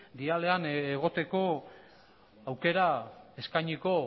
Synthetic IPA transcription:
d̪iale̞aneɣ̞o̞t̪e̞ko̞ | awke̞ɾae̞skajɲiko̞

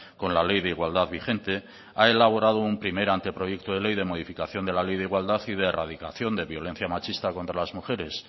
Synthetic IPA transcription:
ko̞nlale̞jðeiɣwald̪aðβixe̞nt̪e̞ | aelaβ̞o̞ɾað̞oumpɾime̞ɾant̪e̞pɾo̞je̞k̚t̪oð̞e̞le̞jðe̞mo̞ð̞ifikaθjo̞nd̪e̞lale̞jðeiɣwald̪aθið̞e̞ːrað̞ika̰θjo̞nd̪e̞βjo̞lẽ̞n̟θjamat͡ʃist̪akont̪ɾalazmuxe̞ɾe̞s

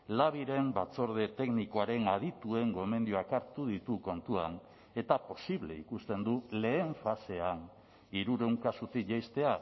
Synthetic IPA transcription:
laβ̞iɾe̞mbat͡so̞ɾð̞e̞t̪e̞kniko̞aɾe̞nað̞it̪ue̞ŋɡo̞me̞nd̪joakaɾt̪uðit̪uko̞nt̪ua̰n | e̞t̪apo̞siβle̞̰ḭkust̪e̞nd̪ule̞ːɱfase̞an | iɾuɾe̞wŋkasut̪ikʝajst̪e̞a

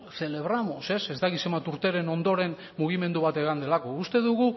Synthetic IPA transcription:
θe̞le̞β̞ɾamo̞se̞sezd̪akisemat̪uɾt̪e̞ɾe̞no̞nd̪o̞ɾe̞n | muɣ̞ime̞nd̪uβ̞at̪e̞ɣ̞and̪e̞lako̞ust̪e̞ðuɣu

